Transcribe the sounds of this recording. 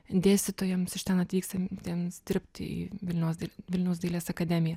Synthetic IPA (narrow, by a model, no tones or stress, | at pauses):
d̪ʲeːsʲt̪ʲɪt̪oːjɛmsɪʃʲt̪ɛnɐt̪ʲʋʲiːkst̪ɐt̪ʲeːmsd̪ʲɪɾʲpʲt̪ʲɪ̰ḭːʋʲɪlʲnʲɛʊsd̪ʲʋʲɪlʲnʲɛʊsd̪ʲeːlʲeːsɐkɐd̪ʲɛmʲɪjɛ